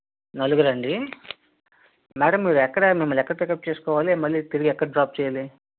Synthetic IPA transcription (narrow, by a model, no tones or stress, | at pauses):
nɐluɡɐɾɐɳɖi | mæːɽɐmːiːɾuɛkːɐɽɐmimːɐlɛkːɐɽɐt̪okɐp̚t͡ʃeːsu̥kɔːʋaːlimɐlːit̪iɾiɡiɛkːɐɽɐɖɾaːp̚t͡ʃɛːjaːli